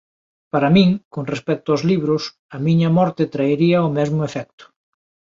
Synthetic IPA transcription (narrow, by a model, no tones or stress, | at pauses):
paɾɐmĩŋkoŋrespɛk̚t̪ʊazliβɾʊs | ɐmiɲɐmɔɾt̪et̪ɾaeɾiɐʊmɛzmʊefɛk̚t̪ʊ̥